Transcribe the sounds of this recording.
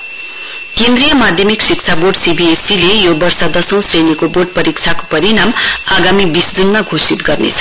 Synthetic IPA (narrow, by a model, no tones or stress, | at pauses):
kend̪rɾijʌmad̪ʱjʌmiksikt͡sʰaborɖsibiesilejobʌrsʌd̪ʌsʌ̃w̃srenikoborɖ̚pʌɾik̚t͡sʰako̥pʌɾinamaɡamibisd͡zunmaɡʱosit̪ɡʌrnḛt͡sʰʌ̥